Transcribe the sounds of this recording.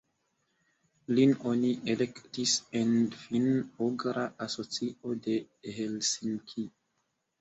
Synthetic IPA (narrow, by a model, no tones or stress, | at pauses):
linoniʔelektisenfinoɡɾaʔaso̞t͡siʔo̞de̞ | helsiŋkʰi